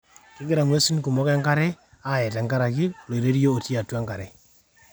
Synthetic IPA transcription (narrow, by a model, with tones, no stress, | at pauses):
kɪ˦ɡɪ˦ɾa˨ŋwe˦si˦n˦ku˨mɔ˦kɛ˦ŋɡa˦ɾɛ˦ | a˦˨jɛ˨tɛ˨ŋɡa˦ɾa˨ki˦˨lo˨i˨ɾe˦ɾi˦oː˦˨ti˦a˨ta˦ŋɡa˨ɾɛ˦